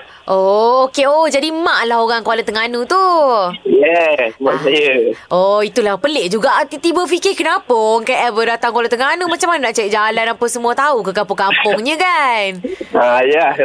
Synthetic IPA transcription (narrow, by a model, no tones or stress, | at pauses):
ʔookeod͡ʒadimãʔlaɦoɣaŋkəalat̪əŋanut̪ujɛmaʔsajəʔoit̪ulahpəlɪʔd͡ʒuɡaʔt̪it̪ibəfikɪkənapoŋkaɛvədat̪aŋkwalat̪əŋanumat͡ʃamannaʔt͡ʃajiʔd͡ʒalanapəsəmũat̪aukəkampʊŋkampʊŋɲə̃kanaja